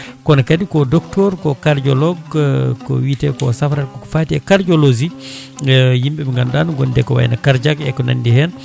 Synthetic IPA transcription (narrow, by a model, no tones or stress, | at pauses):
kɔnakadikɔdɔktɔɾkɔkaɾd͡ʒɔlɔɡkɔ̰wiːtɛkɔsafɾakɔkɔ̥faːtiɛkaɾd͡ʒɔlozi | jimbɛbɛŋɡandanuɡɔndɛkɔwa̰jnakaɾd͡ʒakɛkɔna̰ndihɛn